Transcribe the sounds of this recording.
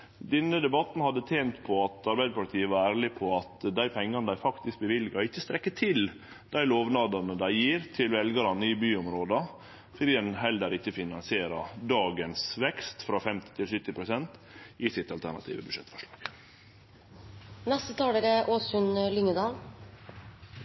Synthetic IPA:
d̪ɛnːəd̪ɛbɑt̪n̩hɑd̪ːət̪ʰeːnt̪pʰɔɑt̪ʰɑɾbæɪd̪əpʰʊlɪt̪ʰiːəʋɑɾæːɾɭɪpʰɔɑt̪d̪æɪpʰɛŋːɑnəd̪æɪfɑkt̪ɪsk̚bəʋɪlɡɑɪçːəst̪ɾɛkːət̪ʰɪl | d̪̥æɪloːʋnɑːd̪ɑnəd̪æɪjiːɾt̪ʰɪlʋɛlɡɑɾɑnəɪbyːʊmɾoːd̪ɑ | fɔd̪iːd̪ɛnɦɛld̪əɾɪçːəfɪnɑnsɪeːɾɑd̪ɑːɡənsʋɛkst̪fɾɑːfɛmt̪ɪ̥t̪ʰɪlsʏt̪ːɪpʰɾʊsɛnt̪ɪsɪt̪ɑlt̪ʰæɳɑ̰t̪ʰḭːʋəbʉ̥ʂɛt̪fɔʂɭɑ̰ːɡ̥ | nɛst̪ət̪ʰɑːləɾəʔoːsʉnlʏŋəd̪ɑːl

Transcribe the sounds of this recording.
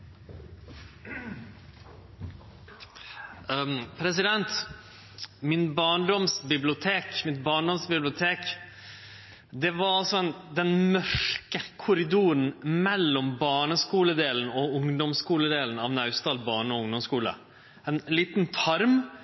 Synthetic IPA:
pʰɾɛsɪd̪ɛnt̪ | mɪnbɑːɳɖɔmsbɪblɪʊt̪ʰeːkmɪt̪bɑːɳɖɔmsbɪblɪʊt̪ʰeːk | d̪ɛʋɑɾɑlsɔɛnd̪ɛnmœʂkəkʰʊɾɪd̪uːɾn̩mɛlːɔmbɑːɳəskuːləd̪eːln̩ɔʊŋd̪ɔmskuːləd̪eːln̩ɑʋnɑʉst̪ɑːlbɑːɳəɔʊŋd̪ɔmskuːlə̰ | ɛnliːt̪n̩t̪ʰɑɾm

